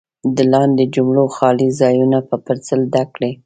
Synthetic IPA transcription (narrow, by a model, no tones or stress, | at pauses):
d̪əlɑnd̪ed͡ʒʊmɽoxɑlizɑjunapəpəɾt͡səld̪akɽe